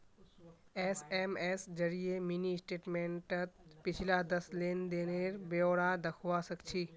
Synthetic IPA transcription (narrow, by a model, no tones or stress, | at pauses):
eːseːmeːsd͡ʒɐɾiemiːnisʈeːʈmẽːɳʈət̪pɪt͡ʃʰɪlad̪ɐslend̪eːneːɾbeoːɽad̪ɐkʰʋasɐkʰt͡ʃʰiː